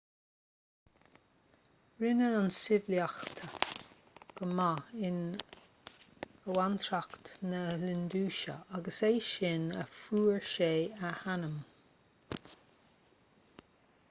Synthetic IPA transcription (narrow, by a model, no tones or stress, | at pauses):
ɹɪnəansɪvljaxt̪ʰə | ɡ̥əmaɪn | əwant̪ʰɾakt̪nəlɪnd̪uːʃə̰aɡəseːʃɪnə̰fuːɹʃeːəhanəm